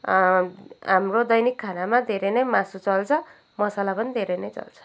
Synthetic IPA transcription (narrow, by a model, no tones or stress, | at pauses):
ɦamrod̪ʌjnikʰːanamad̪ʱeɾʌnʌjmasut͡sʌlt͡sʰʌ | mʌsalapʌnid̪ʱeɾʌjnʌjt͡sʌ̰lt͡sʰʌ̥